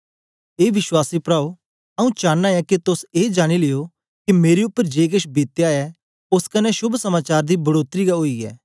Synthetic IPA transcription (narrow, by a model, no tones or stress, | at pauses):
eːʋɪʃwaːsipɾaːo | ɐũt͡ʃaːnːaɛkit̪ʊseːd͡ʒaːɽ̃ilejo | kimeːɾeʊpːəɾd͡ʒeːkɪʃbeːt̪ejaːɛ | ʊskɐnːɛʃʊbʱsɐmaːt͡ʃaːɾd̪ibɐɽoːt̪ɾiɡaoːiɛ̰ː